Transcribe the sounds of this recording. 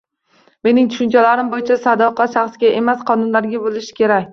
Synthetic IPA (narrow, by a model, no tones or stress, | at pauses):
me̞nɪŋt̪ʰʊ̥ʃʊnt͡ʃʰalaɾɪmbojɪt͡ʃʰasad̪ɒqʰɑʃaχsɡʲaʔe̞masqʰɒnʊnlaɾɡʲabolɪʃɪ̥kʲʰe̞ɾakʲ